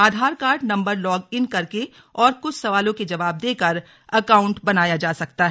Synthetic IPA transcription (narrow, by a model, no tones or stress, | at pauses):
aːd̪ʱaːɾkaːɾɖnɐ̃mbəɾlɔːɡɪnkɐɾke | ɔːɾkʊt͡ʃʰsɐʋaːlõked͡ʒɐʋaːb̚d̪eːkɐɾ | ɐkaːʊ̃ɳʈbɐnaːjad͡ʒaːsɐk̚t̪aɦɛ